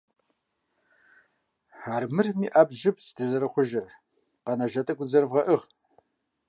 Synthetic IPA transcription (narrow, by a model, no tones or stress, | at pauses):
aːrmɨrmiːʔabʒɪpsdɨzɐɾɨχʷʊʒɪr | qɐnɐʒɐtʼɐɡʷʼʊd͡zɐrɨvʁɐʔɨʁ